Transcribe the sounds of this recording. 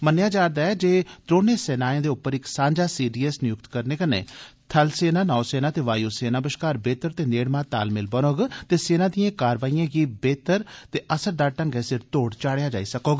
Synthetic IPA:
mənjaːd͡ʒaːɾd̪aːɛːd͡ʒeːt̪ɾoːneːsɛːnaːjẽːd̪eːʊpːəɾɪksãːɲd͡ʒaːsiːɖiːɛsnɪjʊk̚t̪kəɾneːkənḛ̃ːt̪ʰəlseːnãːnaːseːnaːt̪eːʋaːjoːseːnaːbəʃkaːɾbeːt̪əɾt̪eːneːɽmãːt̪a̰ːlmɪlbənoːɡt̪eːseːnãːd̪ɪjãːkaːɾʋaːiːãːɡiːbeːt̪əɾt̪eːʔəsəɾd̪aːʈə̃ŋɡɛːsɪɾt̪oːɽt͡ʃaːɽejaːd͡ʒaːiːsəkoːɡa

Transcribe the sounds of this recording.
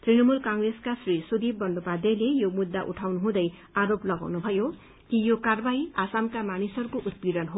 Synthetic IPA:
t̪rinʌmulkʌŋreskasrisud̪ib̚bʌndopad̪ʌlejomud̪ːa̰ʔṵʈʰawnuɦũd̪ʌj | aɾoplʌɡa̰wnubʱʌjo | kijokarbajasamkamanisʌrkoʔut̪̚biɾʌnɦo

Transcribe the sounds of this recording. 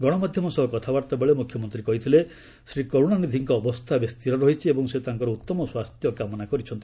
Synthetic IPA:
ɡɔɽ̃ɔmad̪ʱjɔmɔsɔɦɔkɔt̪ʰabaɾt̪abeɭemukʰjɔmɔnt̪ɾikɔɦit̪ʰile | sɾikoɾuɽ̃anid̪ʱiŋkɔːbɔst̪ʰabest̪iɾɔɾɔɦit͡ʃʰiebɔŋset̪aŋkɔɾɔut̪ːɔmɔswast̪ʰjɔkamɔnakɔɾit͡ʃʰɔnt̪

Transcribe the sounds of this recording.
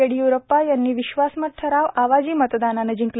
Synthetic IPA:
eɽiːjuɾopːajanːiːʋiɕʋasmət̪̚ʈʰəɾaʋaʋad͡ʑiːmət̪d̪ananəd͡ʑiŋkl

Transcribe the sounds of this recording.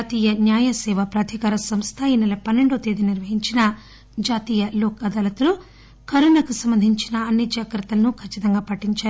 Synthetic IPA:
aːt̪iːjɐnjaːjɐsɛːʋɐpɾaːd̪ʱikaːɾɐsɐmst̪ʰɐinːɐlɐpɐnːe̞ɳɖoːt̪eːd̪iniɾʋɐɦiɲt͡ʃinɐ | d͡ʒaːt̪iːjɐlɔːkɐd̪ɐːlɐt̪ulu | kɐɾunɐkusɐmbɐnd̪ʱiɲt͡ʃinɐːnːid͡ʒaːkɾɐt̪ːɐlɐnukʰɐt͡ʃːit̪ɐŋɡaːpɐʈːiɲt͡ʃaːɾu

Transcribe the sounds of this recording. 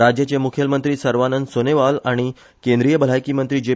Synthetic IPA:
ɾad͡ʑjat͡ɕemukʰjəmənt̪ɾiːsəɾʋanənsoneʋalaɽ̃i | kẽnd̪ɾijəbʱəl̤ajkiːmənt̪ɾiːd͡ʑe

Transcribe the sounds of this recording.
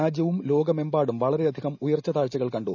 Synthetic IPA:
aːd͡ʑjɐʋumlo̞ːɡɐme̞mbaːɽumʋɐɭɐɾe̞ɐd̪ʱiɣɐmujɐrt͡ɕːɐt̪aːɻt͡ɕːɐɣɐɭkɐɳɖu

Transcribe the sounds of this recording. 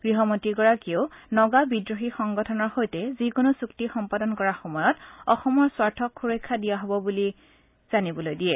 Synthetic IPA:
ɡ̥ɹiɦɔmotikɔɹakionɔɡabidɹoxixɔŋɡɔtʰɔnɔɹxojtɛzikonosuktixɔmpadɔnkɔɹaxɔmɔjɔtɔxɔmɔɹswaɹtʰɔkxuɹojkʰːadijaɦɔbɔbuli | z̥anibɔlojdijɛ

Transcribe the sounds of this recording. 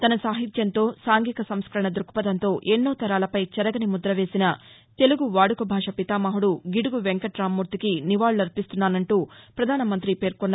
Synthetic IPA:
t̪ɐnɐsaːɦit̪jɐnt̪o̞ːsaːŋɡikɐsɐmskɐɾɐɳɐd̪ɾukːu̥pɐd̪ɐnt̪o̞ːʔenːoːt̪ɐɾaːlɐpɐjt͡ʃɐɾɐɡɐnimud̪ɾɐʋe̞ːsinɐ | t̪e̞luɡuʋaːɽukubʱaːʂɐpit̪aːmaːɦuɽuɡiɽuɡuʋeŋkɐʈɾaːmːuɾt̪ikiniʋaːɭuɐɾpist̪unːaːnɐɳʈuːpɾɐd̪ʱaːnɐmɐnt̪ɾipe̞ːɾkɔnː

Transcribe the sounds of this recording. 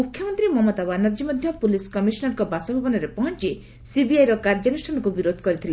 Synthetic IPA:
mukʰːjɔmɔnt̪ɾimɔmɔt̪abanaɾd͡ʒimɔd̪ʱjɔpuliskɔmisɔnɔɾkɔbasɔbʱibɔnɔɾepɔɦɔnt͡ʃi | sibiajɾɔkaɾd͡ʒɔanusʈʰanɔkubiɾod̪ʱɔkɔɾit̪ʰile

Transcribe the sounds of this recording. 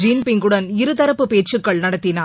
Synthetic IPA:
d͡ʒiːnpɪŋɡɯɽɐnɪɾɯt̪ɐɾɐpːɯpeːʈt͡ʃːɯkːɐɭnɐɽɐt̪ːɪnaː

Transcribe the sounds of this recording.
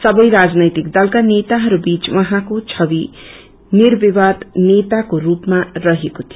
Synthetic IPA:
sʌbʌjɾad͡znʌjt̪ikd̪ʌlkanet̪aɦʌɾubit͡swʌɦãkot͡sʰʌbi | nirbibad̪net̪akorupmarʌɦekot̪ʰijo

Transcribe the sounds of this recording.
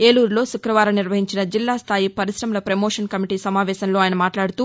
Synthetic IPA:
e̞ːluːɾlo̞ːsukɾɐʋaːɾɐniɾʋɐɦiɲt͡ʃinɐd͡ʒilːaːst̪ʰaːjipɐɾisɾɐmulɐpɾɐmoːʂɐnkɐmiʈiːsɐmaːʋɛːsɐnlo̞ːaːjɐnɐmaːʈlaːɽut̪uː

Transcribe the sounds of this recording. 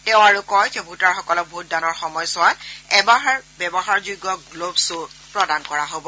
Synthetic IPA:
tɛʊ̃aɹʊkɔjzɛbʱutaɹxɔkɔlɔk̚bout̚danɔɹxɔmɔjsʊwatɛbaɦaɹbɛbɔɦaɹzuɡɔɡlobsʊpɹɔdankɔɹaɦobɔ

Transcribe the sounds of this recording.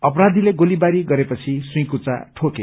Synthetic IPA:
ʌpʌɾad̪ʱileɡolibaɾiɡʌɾepʌt͡sʰisũj̃kut͡sa̰ʈʰoke

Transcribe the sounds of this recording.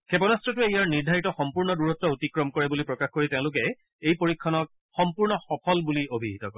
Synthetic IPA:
kʰepɔnastɹɔtʊejaɹniɹdʱaɹitɔxɔmpuɹnɔduɹɔtːɹɔotikɹɔmkɔɹɛbulipɹɔkaxkoɹitẽʊ̃lʊk̬ɛ | ejpoɹikʰːɔnɔk̚ | xɔmpuɹnɔxɔpʰɔlbuliobʱiɦitɔkɔ̰ɹɛ

